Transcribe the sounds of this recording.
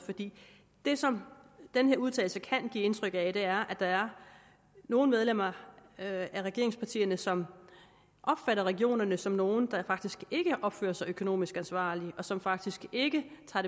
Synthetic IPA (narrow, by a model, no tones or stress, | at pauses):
fɒ̽d̥ḭː | d̥e̝sɒ̽md̥enhe̝ɐuð̞ˠt͡sʰɛ̰ːɪl̩səkʰæn̰ɡ̥ḭːe̝nt͡sʰʁœɡ̥æd̥e̝æɐʔæd̥ɑ̈æɐ | no̝ːn̩með̞ˠlem̰ɐ | æʁɛɡ̥e̝ɐeŋspʰɑ̈t͡sʰḭːɐnəsɒ̽m | ʔɒ̽b̥fæɾɐʁɛɡ̥io̝̰ːnɐnəsɒ̽mno̝ːn̩d̥ɑ̈fɑ̈ɡ̥d̥isɡ̥e̝ɡ̥əʔɒ̽b̥fø̰ːɐsɑ̈ɪøkʰo̝no̝̰ːmisɡ̥ænsʋɑ̰̈ːliʔɒ̽sɒ̽mfɑ̈ɡ̥̚d̥isɡ̥e̝ɡ̥ət͡sʰɑ̈ːɾe